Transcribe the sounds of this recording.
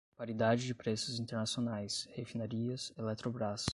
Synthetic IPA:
paɾid̪ad͡ʒɪd͡ʒɪpɾesʊzĩnt̪eɾnasionajshefinaɾiɐselɛt̪ɾobɾas

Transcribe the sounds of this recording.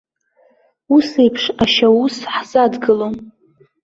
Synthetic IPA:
use̞jpʰʂaʃawusħz̥adɡɨlo

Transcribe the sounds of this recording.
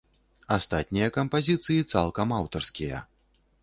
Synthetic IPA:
ast̪at̪̚ʲnʲijɐkɐmpazʲit̪sɨjit̪salˠkɐmawt̪ɐrskʲijɐ̰

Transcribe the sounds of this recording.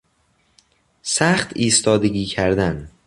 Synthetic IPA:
sæχt̪ʰiːst̪ɒːd̪eɟiːcʰæɾd̪æn

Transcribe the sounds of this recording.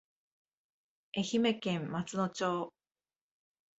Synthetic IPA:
e̞çime̞kẽ̞mːat͡sɨno̞t͡ɕoː

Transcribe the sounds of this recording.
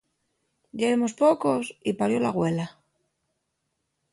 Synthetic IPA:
ʎeemo̞spo̞ko̞sipaɾjo̞laɣwe̞la

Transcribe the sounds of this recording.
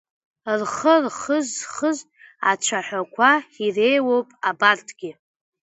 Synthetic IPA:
rχərχəzχəz | at͡ʃʷʰaħʷᶣakʷʰaire̞jwowpʼabartʰʼɡ̥ʲɪ

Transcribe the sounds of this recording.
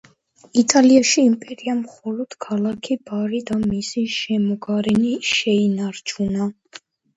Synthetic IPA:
it̪ʼaliaʃiːmpʼɛɾiamχɔlɔd̪̥kʰalˠakʰibaɾid̪amisiʃɛmɔɡaɾɛniʃɛinaɾt͡ʃʰuna

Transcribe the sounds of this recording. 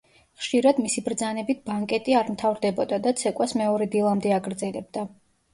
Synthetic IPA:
χʃiɾad̪misibɾd̪zanɛbit̪̚ʰbaŋkʼɛt̪ʼiaɾmt̪ʰavɾd̪ɛbɔd̪ad̪at̪sʰɛkʼwasmɛɔɾɛd̪ilˠamd̪ɛaɡɾd̪zɛlɛb̚d̪a

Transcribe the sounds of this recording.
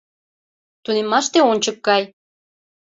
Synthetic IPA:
t̪unemːɑʃt̪eonʲt͡ɕəkɡɑj

